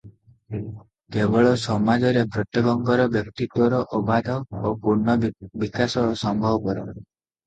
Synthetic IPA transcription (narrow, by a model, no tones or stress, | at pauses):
kebɔɭɔsɔmad͡ʒɔɾepɾɔt̪jɔɡɔŋɡɔɾɔbjɔk̚t̪it̪wɔɾɔʔɔbad̪ʱɔopuɾɳɔbikasɔsɔmbʱɔbɔkɔɾɔ